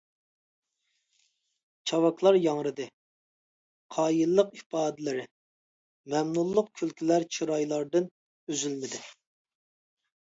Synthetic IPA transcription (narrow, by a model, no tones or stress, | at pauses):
t͡ʃʰɑwɑkʰlˠɑɾjɑŋɾɨd̪ɨ | qʰɑːjilˠːəqipɑːd̪ɪlɪɾɪ | mɛmnulˠːəq̚kʲʰylkʲʰilæɾt͡ʃʰiɾɑjlˠɑɾd̪ɨn | øzylmɪd̪ɪ